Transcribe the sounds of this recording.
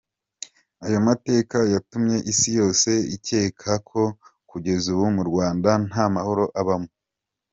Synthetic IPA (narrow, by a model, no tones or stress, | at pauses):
ajo̞mate̞ːkajatumɲe̞ʔisijo̞ːse̞ice̞ːkʰakʰo̞kuɟe̞zuβumuɾɡwaːndan̥hamaho̞ɾo̞ʔaβamo